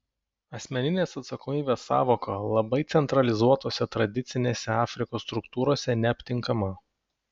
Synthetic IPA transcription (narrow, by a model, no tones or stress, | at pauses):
ɐsʲmʲɛnʲɪnʲeːsɐt̪sɐkoɔmʲiːbʲeːsːɑ̰ːʋoːkolˠɐbɐɪt̪sʲɛnt̪ɾɐlʲɪzuɔt̪oːsʲɛt̪ɾɐd̪ʲɪt̪sʲɪnʲeːsʲɛɑːfʲɾʲɪkoːsːt̪ɾʊkt̪uːɾoːsʲɛnʲɛɐpʲt̪ʲɪŋˑkɐmɐ